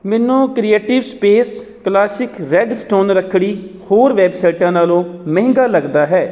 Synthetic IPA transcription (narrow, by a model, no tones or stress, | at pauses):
mɛːnːõːkɾieːʈɪʋspeːs | klaːsɪkɾɛːɖsʈoːnɾəkʰːɽiːhoːɾʋɛːbsaɪʈãːnaːlõːmə̃ɦɪ̃ŋɡaːləɡd̪aːɦɛː